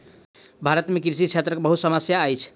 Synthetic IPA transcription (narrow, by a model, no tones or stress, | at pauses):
bʱaɾət̪mekɾsit͡ʃʰet̪ɾəkebəɦut̪səməsjaːjt͡ʃʰ